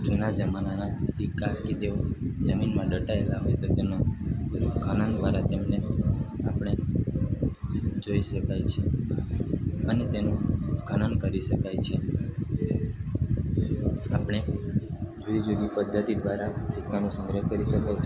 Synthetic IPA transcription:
ʈʰenad͡ʒəmananasikaked͡ʒ̪eod͡ʒəminmãɖəʈaelaɦojt̪ot̪ena | kʰanand̪ʋaɾat̪emneapɳ̃e | d͡ʒoiʃəkajt͡ʃʰe | ənet̪enũkʰanankəɾiʃəkajt͡ʃʰe | apɽ̃e | d͡ʒoid͡ʒoɡipəd̪ʱːət̪id̪ʋaɾasikːanũsə̃ŋɡɾəɦkəɾiʃəkajt͡ʃʰ

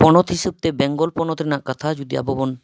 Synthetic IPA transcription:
pɔnot̪ɦiʃeb̚t̪ebɛŋɡolpɔnot̪enakat̪ʰad͡ʑud̪ia̰bobon

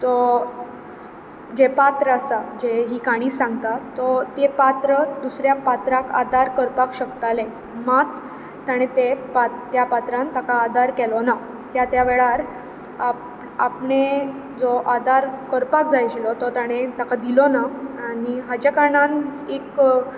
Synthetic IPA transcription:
t̪ɔ | d͡ʑepat̪ɾəasad͡ʑeɦiːkaɽ̃isãŋɡt̪at̪ːɔt̪epat̪ɾəd̪usɾjapat̪ɾaka̰d̪aɾkəɾpakɕəkt̪alẽ | mat̪ | t̪ːjaɽ̃et̪epat̪japat̪ɾãnt̪akaːd̪ʱaɾkɛlɔna | t̪jat̪jaʋɛɭaɾ | a | apɳe | d͡zɔʔad̪ʱaɾkəɾpak̚d͡zajt͡ɕilɔt̪ɔt̪jaɽ̃et̪akad̪ilɔnaaɽ̃iɦad͡ʑekaɾɳanek

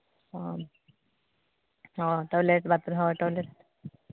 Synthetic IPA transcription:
ɔ | ɔʈɔleʈbat̪ɾɦɔʈɔleʈ̚

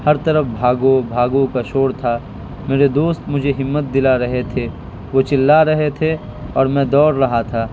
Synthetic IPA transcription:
hɐɾt̪ɐɾəfbʱaːɡobʱaːɡõkaʃoːɽt̪ʰa | meːɾed̪oːst̪mʊd͡ʒʱeɦɪmːət̪̚d̪ɪlaɾɐɦet̪ʰeː | ʋot͡ʃɪlːaɾɐɦet̪ʰe | ɔːɾmɛ̃ːd̪ɔːɾːɐɦat̪ʰaː

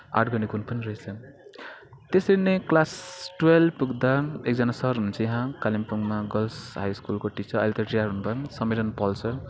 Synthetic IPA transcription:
a̰ʈɡʌnikunpʌniɾʌit͡sʰʌ | t̪esʌɾineklasʈwelpuɡd̪aek̚d͡zʌnasʌɾɦununt͡sʰʌjɦãkalimpuŋmaɡʌlsɦajskulkoʈit͡sʰʌʌ̰jlt̪ʌʈijaɾɦunubʱʌnsʌmeɾʌnpʌlt͡sʰʌ

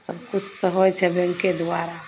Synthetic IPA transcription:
səbkut͡ʃʰt̪əɦojt͡ʃʰɛbeŋked̪waɾa

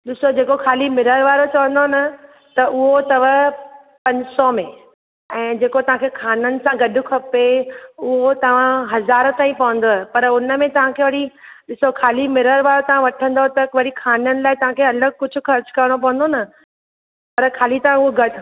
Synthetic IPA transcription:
ɗɪsod͡ʑeːkokʰaːlimɪɾəɾʋaːɾot͡ɕɐʋə̃n̆d̪onɐ | t̪ɐʔʊɦot̪ɐʋə | pɐ̃ɲsɔmẽ | ɛ̃ːd͡ʑeːkot̪ɐʋ̤ãkʰeːkʰaːnənɪ̆sãɡɐɖʱʊ̆kʰɐpeʊɦot̪ɐʋ̤ãɦɐzaːɾt̪aːĩpɐʋə̃nd̪opɐɾʊnəmẽt̪ɐʋ̤ãkʰeːʋɐɽiɗɪsokʰaːlimɪɾəɾʋaːɾot̪ɐʋ̤ãʋɐʈʰə̃nd̪ot̪ɐkʋɐɽikʰaːnənɪ̆laːɪt̪ɐʋ̤ãkʰeɐləɡ̚kʊd͡ʑʱʊ̆xɐɾt͡ɕkɐɾɽ̃op̬ɐʋə̃n̆d̪onɐ | pɐɾkʰaːlit̪ɐʋ̤ãʊɦoɡɐɖʱ

